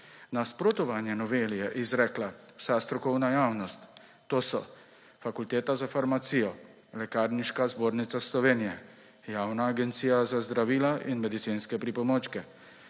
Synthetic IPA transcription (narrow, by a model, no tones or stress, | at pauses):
naspɾot̪ɔʋanjɛnɔʋeːlijɛʔizɾɛːklawsast̪ɾɔkɔwnajaːwnɔst̪ː | oːsɔ | fakult̪eːt̪azafaɾmat̪siːjɔ | lɛkaːɾniʃkazboːɾnit̪saslɔʋeːnijɛ | jaːwnaːɡɛnt̪siːjazazd̪ɾaʋiːlaʔinmɛd̪it̪sinskɛpɾipɔmoːt͡ʃkɛ